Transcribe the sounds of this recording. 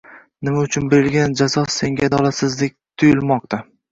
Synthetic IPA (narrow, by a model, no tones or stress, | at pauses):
nɪmaʊt͡ʃʰʊnbeɾɪlɡʲand͡ʒazɒsːe̞ŋɡʲad̪ɒlˠasɪzd̪ek̚ʲt̪ʰʊjɪlˠmɒq̚t̪ʰa